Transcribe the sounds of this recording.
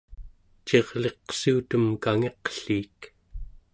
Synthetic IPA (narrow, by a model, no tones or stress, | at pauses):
t͡ʃe̞ʁle̞qsuːt̪əmkaŋe̞qɬiːk